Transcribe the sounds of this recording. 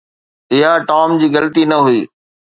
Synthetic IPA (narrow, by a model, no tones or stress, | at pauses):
ɪɦaʈaːmd͡ʑiːɡɐlt̪inɐɦʊiː